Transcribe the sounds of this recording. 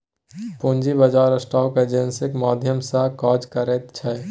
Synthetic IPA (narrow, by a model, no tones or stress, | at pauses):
pond͡ʒibəd͡ʒaːɾəsʈaːked͡ʒensikmaːd̪ʱjəmsakɔd͡ʒkəɾɛt̪t͡ʃʰɛ